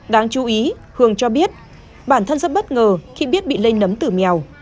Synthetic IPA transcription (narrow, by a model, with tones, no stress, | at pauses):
ɗaː˨˦ŋt͡ɕu˨˦ʔi˨˦ | hɨ˨˩əŋt͡ɕɔ˧ɓi˦˥ət̚ | ɓaː˧˩nt̪ʰə˧nzə˦˥t̚ɓə˦˥t̚ŋəː˨˩xi˧ɓi˦˥ət̚ɓḭ˧˨le˧ŋnə˨˦mt̪ɨ˨˩m˨a˨˩w